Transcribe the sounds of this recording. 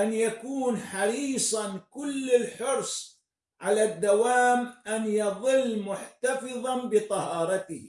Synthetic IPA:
ʔanjakuːnħɑɾiːsˤɑnkʊlːɪlħʊɾsˤ | ʕalad̪ːawaːmʔanjɑðˤɨlːmʊħt̪ɑfɨðˤɑnbɪt̪ˤɑhɑːɾˤɑt̪ɪh

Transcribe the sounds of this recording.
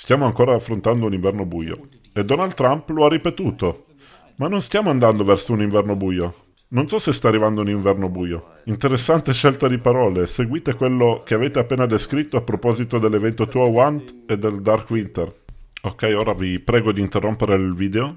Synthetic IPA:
st̪jaːmoaŋkoːɾaːfːɾont̪and̪ouniɱvɛrnobuːjo̰ | ed̪ːɔnald̪t̪ːɾamploarːipet̪uːt̪o | manːonst̪jaːmoand̪and̪ovɛrsouniɱvɛrnobuːjo | nonsɔsest̪aːrːivand̪ouniɱvɛrnobuːjo | int̪eɾesːant̪eʃːelt̪ad̪ipaɾɔːleseɡwiːt̪ekwelːok̟eaveːt̪eapːeːnad̪eskɾit̪ːoapːɾopɔzit̪od̪elːevɛnt̪ot̪uawant̪ed̪ːeld̪arkwint̪erokːɛjoːɾavipɾɛːɡod̪iːnt̪erːompeɾelviːd̪eo

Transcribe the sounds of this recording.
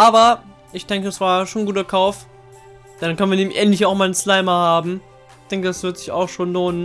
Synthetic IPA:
ʔaːbɐ | ʔɪçd̥ɛŋkədasv̥aːɐʃoːnɡuːtɐkʰaʊf | d̥ɛnankœnviːɐniːbm̩ʔɛntlɪçaʊxmaːlənslaɪmɐhaːbm̩ | d̥ɛŋkədasv̥ɪɐtz̥ɪça̰ʊxʃoːnloːnən

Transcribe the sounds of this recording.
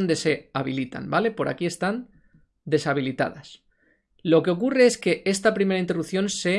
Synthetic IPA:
nd̪e̞se̞aβ̞ilit̪a̰nbale̞po̞ɾʔa̰kie̞st̪an | d̪e̞saβ̞ilit̪a̰ð̞as | lo̞ke̞o̞kure̞eske̞ʔest̪apɾime̞ɾaint̪e̞rukθjo̞nse

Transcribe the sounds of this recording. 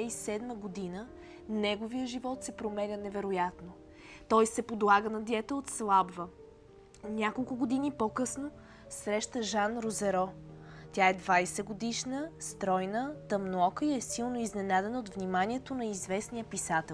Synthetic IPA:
ɛisɛd̪məɡod̪inə | nɛɡovijəʒivɔt̪sɛpɾomɛlʲənɛvɛɾojat̪no | t̪ɔjsɛpod̪lˠaɡənɐd̪ʲɛt̪ɛot̪slˠabvə | nʲakolˠkʊɡod̪inipokɤsno | sɾɛʃt̪əʒanɾozɛɾɔt̪ʲaɛd̪vajsɛɡod̪iʃnəst̪ɾɔjnət̪ɐmnoɔkəiɛsilˠnoiznɛnad̪ɛnot̪vnimaniɛt̪onɐizvɛsnijəpisat̪ɛ

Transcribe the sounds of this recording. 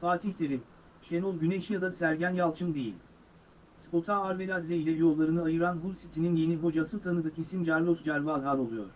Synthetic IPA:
faːt̪ʰiçd̪eɾim | ʃenulˠɟyneʃijad̪asæɾɟænjalˠt͡ʃʰɯmd̪ejḭlʲ | spot̪ʰaaɾveɾad̪zeilʲɛjo̞lˠːaɾɯnɯajɯɾanɦulʲsit̪ʰininje̞niɦo̞d͡ʒasɯt̪ʰanɯd̪ɯkʰisimd͡ʒaɾlˠosd͡ʒaɾvalɦalʲo̞lˠujo̰ɾ̥

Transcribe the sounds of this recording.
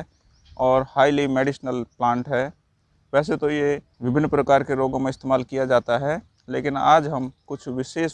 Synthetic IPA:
ɔːɾhaːɪlimeːɖɪʃnəlplãːɳʈɦɛː | ʋɛːs̬et̪oje | ʋɪbʱɪnːəpɾəkaːɾkeɾoːɡõmẽɪst̪eːmaːlkijad͡ʒaːt̪aɦɛ | leːkɪna̰ːd͡ʒɦɐmkʊt͡ʃʰʋɪʃeːs

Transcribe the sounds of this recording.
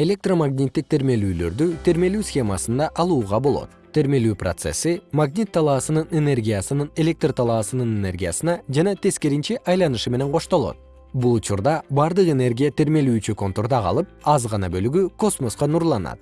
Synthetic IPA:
e̞lʲe̞k̚t̪romaɡnʲit̪ːik̚t̪ʰe̞ɾme̞lyːlø̞̰ɾd̪yt̪ʰe̞ɾme̞lyːsxʲe̞mɑsɯnd̪ɑʔɑlˠuːʁɑbo̞lˠo̞̰t̪̚t̪ʰːe̞ɾme̞lyːpro̰t̪se̞̰sːimaɡnʲit̪ʰːɑlˠɑːsɯnɯne̞ne̞rɡʲijasɯnɯne̞lʲe̞k̚t̪rt̪ʰɑlˠɑːsɯnɯnene̞rɡʲijasɯnɑd͡ʒɑnɑt̪ʰe̞ske̞ɾint͡ʃiʔɑjlˠɑnɯʃɯme̞ne̞ŋqʰo̞ʃt̪o̞lˠo̞̰t̪ | bulˠut͡ʃuɾd̪ɑbɑɾd̪ɯqe̞ne̞rɡʲijat̪ʰe̞ɾme̞lyːt͡ʃyko̞nt̪o̞ɾd̪ɑqɑ̰lˠɯp̚ɑzʁɑnɑbø̞lyɡyko̞smo̞sqɑnuɾlˠɑnɑ̰t̪̚

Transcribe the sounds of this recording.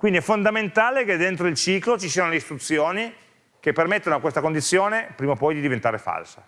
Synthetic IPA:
kwind̪iɛfːond̪ament̪aːleked̪ːent̪ɾoilt͡ʃiːklot͡ʃisiːanoleist̪ɾut̪sːjoːni | kepːermet̪ːanoakwest̪akond̪it̪sːjoːnepɾiːmopɔjd̪id̪ivent̪aːɾefa̰lsa

